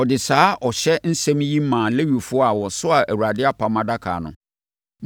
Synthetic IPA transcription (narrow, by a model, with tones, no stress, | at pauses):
ɔ˨dɪ˨saː˨˦ʔɔ˨ɕɛ˦n̩˦sɛ̃˦mji˦mã˨le˦ɥi˨fʊ˦ɔ˦a˨wɔ˨sʊ˦a˨ʔæ˨wu˨ɾa˨dɪ˦a˦pʰa˨mã˦da˦kʰa̰ː˨nʊ̰̃˨